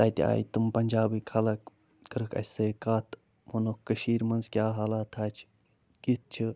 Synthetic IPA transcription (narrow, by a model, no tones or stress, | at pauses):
t̪aːt̪ʲia̰ːj̰t̪ɨmpɐnʲd͡ʒaːbiːkʰɐlɐk | kɨɾɨkɐ̰sɐjkaːt̪ʰ | monokkːəʃiːɾmɐnzkʲjaːɦaːlaːt̪ʰaːt͡ʃʰ | kit̪̚t͡ʃʰi